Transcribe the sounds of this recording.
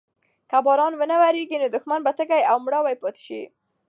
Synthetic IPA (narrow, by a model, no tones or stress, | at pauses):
kabɑɾɑnwənawaɾeɡinod̪ʊxmanbat̪əɡajawmɽawajpɑt̪ɪ̥ʃḭ